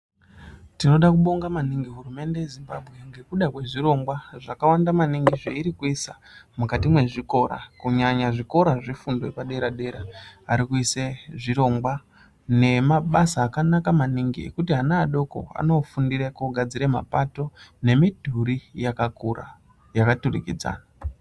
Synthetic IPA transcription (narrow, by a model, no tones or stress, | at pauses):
tino̞ɗakuɓo̞ŋɡamaniŋɡiɦurume̞nde̞jezimbabʱɣe̞ŋɡe̞kuɗakwe̞ʐiɾo̞ŋɡwaʐakawandamaniŋɡiʐeiɾikuisa | mukatimwe̞ʐiko̞ɾa̰kuɲaɲaʐiko̞ɾaʐifundopaɗe̞ɾaɗe̞ɾaːɾikuiseʐiɾo̞ŋɡwa | ne̞maɓasaːkanakamaniŋɡḭḛkutiɦanaːɗo̞ko̞̰a̰no̞fundiɾekoɡʱad͡ziɾema̰pato̞ne̞midʱuɾijakakura̰ | jakaturḭkḭd͡za̰ːna